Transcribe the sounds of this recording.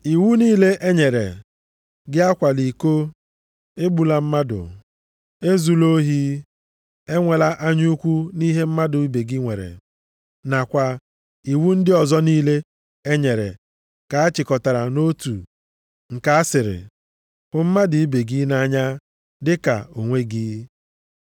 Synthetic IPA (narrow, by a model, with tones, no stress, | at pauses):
i˨wu˦niː˦le˦ʔe˦ɲe˨ɾḛ˨ | ɡɪ˦a˦kʷa˨li˨ko˦ | e˦ɡ͡bu˨la˦m̩˦ma˦dʊ̰˨ | e˦zu˨lo˦ɦi˦ | e˦ŋʷe˨la˦ʔa˦ɲu˦u˦kʷu˦ni˦ɦe˦m̩˦ma˦dʊ˨i˦be˨ɡɪ˦ŋʷe˨ɾḛ˨ | na˨kʷa˨ | i˨wu˦n̩˦dɪ˦ɔ˨zɔ˦niː˦le˦ | e˦ɲe˨ɾḛ˨ | ka˨a˦t͡ʃɪ˨kɔ˨ta˨ɾa˨no˦tṵ˨ | ŋ̩˨ka˨a˦sɪ˨ɾɪ̰˨ | kʊ˨m̩˦ma˦dʊ˨i˦be˨ɡi˦na˦ɲa˦ | dɪ˦ka̰˨o˨ŋʷe˦ɡiː˦